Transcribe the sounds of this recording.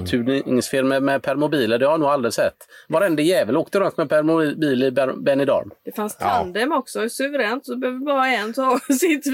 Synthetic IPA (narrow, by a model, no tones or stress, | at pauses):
t̪ʰʉːŋsfɪɾməmɛpʰæɾmʊbiːləɖ̪ɛhanuːɡald̪ɾɪsɛt̪ːvaɾɛnd̪əjɛːvəloːk̚t̪əɾɔnt̪mɛpʰæɾmʊbiːlɪbbɛnɪd̪ɑ̰ɾmd̪ɛfanst̪and̪ɛmɔksɔsʉvəɾɛːnt̪ɔɛbøːvbɑːɾaɛnt̪ɔːsɪt̪ː